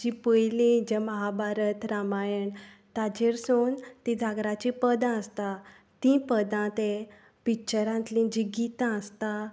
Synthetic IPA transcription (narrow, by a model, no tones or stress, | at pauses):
d͡ʑipəjlĩd͡ʑeməɦabʱaɾət̪ɾamajəɳ | t̪ad͡ʑeɾsoːnt̪ĩd͡zʱaɡɾat͡ɕipəd̪ãəst̪a | t̪ĩpəd̪ãt̪e | pit͡ɕəɾãnt̪lĩd͡ʑiɡit̪ãəst̪a